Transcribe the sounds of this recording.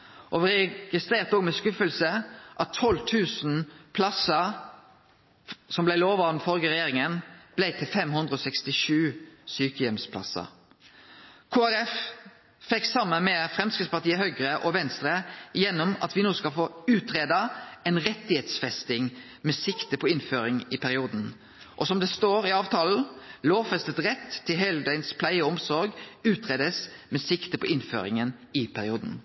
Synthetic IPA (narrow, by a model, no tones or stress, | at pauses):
ʔɔʋʁɛɡ̥ɪst̪ɾeːʁt̪oːɡmɛskʉfəlsəʔɑt̪ʰːɔlt̪ʰʉːsn̩pʰlɑsə | sɔmblæɪloːʋɑʁnfɔʁɡəʁɛjeːʁɪŋənb̥læɪt̪ʰɪlfɛmhʉnd̪ʁəɔːsɛkst̪ɪʃʉːsyːkəjɛmspʰlɑ̰sə̰ | kʰoːæɾɛf | fɛksɑmːənmɛfʁɛmskɪd̪spɑʁt̪iːəhœɡʁəʔɔʋɛnst̪ɾəjɛnːɔmɑ̰t̪ʋɪnuːskɑlfoːʉːt̪ʁeːd̪ɑɛnʁɛt̪ːɪheːt̪sfɛst̪ɪŋ | mɛsɪkt̪əpʰɔɪnføːɾɪŋɪpʰæɾɪuːd̪n̩ | ʔɔsɔmd̪ɛst̪oːɾɪɑːʋt̪ʰɑːl̩loːʋfɛst̪ət̪ʁɛt̪ʰːɪlɦœld̪æɪnspʰlæɪəɔmsɔɾɡʉːt̪ʁeːd̪əsmɛsɪkt̪əpʰɔʔɪnfø̰ːɾɪ̰ŋənɪpʰæɾɪuːd̪n̩